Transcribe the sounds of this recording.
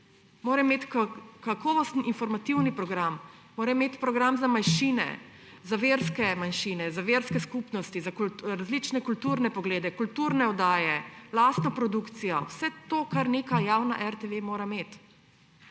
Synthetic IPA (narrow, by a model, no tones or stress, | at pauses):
moːɾɛmeːt̪kakɔʋɔst̪niʔinfɔɾmat̪iwnipɾɔɡɾamː | oːɾɛmeːt̪pɾɔɡɾamzamajʃiːnɛ̰ | zaʋeɾskɛmanʃiːnɛzaʋeɾskɛskupnɔst̪izakɾazlit͡ʃnɛkult̪uɾnɛpɔɡleːd̪ɛkult̪uɾnɛɔd̪aːjɛlaːst̪nɔpɾɔd̪ukt̪sijɔwsɛt̪oːkaɾneːkajaːwnaʔɛɾt̪eʋemoːɾameːt̪